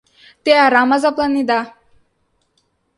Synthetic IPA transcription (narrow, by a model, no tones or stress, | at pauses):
t̪ejaɾamazaplanːid̪a